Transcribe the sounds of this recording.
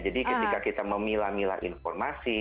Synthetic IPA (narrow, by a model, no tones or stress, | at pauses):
d͡ʒadikət̪ikakit̪aməmilahmila̰ʔḭnfɔrmasi